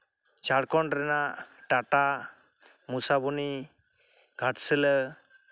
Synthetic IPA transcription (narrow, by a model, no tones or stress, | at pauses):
t͡ʃaɽkɔɳɾɛnaʈaʈa | musabuni | ɡʱaʈsələ